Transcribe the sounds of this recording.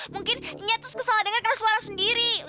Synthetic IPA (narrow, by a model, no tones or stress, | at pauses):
muŋkɪniɲat̪ɾʊskəsalahdəŋankarnasuaɾasəndiɾi